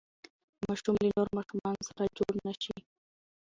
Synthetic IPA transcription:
mɑʃumlənoɾmɑʃumɑnosaɾad͡ʒoɽnaʃi

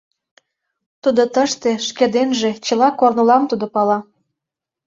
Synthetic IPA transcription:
t̪ud̪ot̪əʃt̪eʃked̪enʒet͡ɕə̆lɑkornulɑmt̪ud̪opɑlɑ

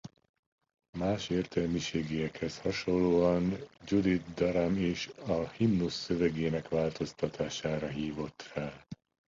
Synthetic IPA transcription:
maːʃeːrt̪ɛlmiʃeːɡijɛkhɛshɒʃo̞lːoːɒnd͡ʒud̪it̪d̪ɒɾameːʃɒhimnusːøvɛɡeːnɛkʋaːlt̪o̞st̪ɒt̪ʰaːʃaːɾɒɦiːvo̞t̪raː

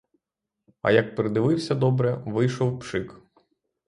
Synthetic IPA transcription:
ɐ̰jɐk̚pɾɪd̪ɪʋɪwsʲɐd̪ɔbɾɛʋɪjʃɔwpʃɪk

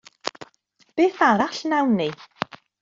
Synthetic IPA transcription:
b̥eːθaɾaɬnawnːi

